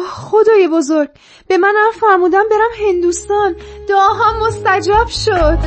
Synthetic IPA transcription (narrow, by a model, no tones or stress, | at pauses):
xod̪ɒːjebozoɾɡ̚ | b̥e̞mænæmfæɾmuːd̪æmbe̞ɾæmɦe̞nd̪uːst̪ɒnd̪̥oɒːɦɒmːost̪æd͡ʒɒːb̥ʃod̪̥